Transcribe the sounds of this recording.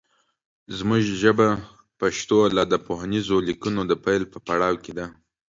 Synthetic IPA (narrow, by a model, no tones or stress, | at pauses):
zmuʒʒəba | paʃt̪olad̪əpoɦanizolikunod̪əpajlpəpaɽɑwked̪a